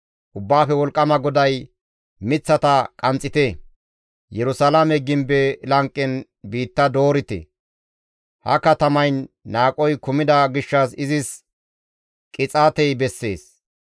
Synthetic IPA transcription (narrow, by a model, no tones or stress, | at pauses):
ʔʊbːaːfɛwɔlkʼːɐmɐɡɔd̪ɐj | mɪt͡sːɐt̪ɐkʼɐnt͡sʼːɪt̪e | jɛɾʊsalamɛɡɪmbɛlɐŋkʼːɛn | biːt̪ːɐd̪o̞ːɾɪt̪ɛ̰ | hɐ̰kɐt̪ɐmɐjnːaːkʼɔjkʊmɪd̪ɐɡɪʃːɐsɪzɪs | kʼɪt͡sʼaːt̪ɛjbɛsːe̞ːs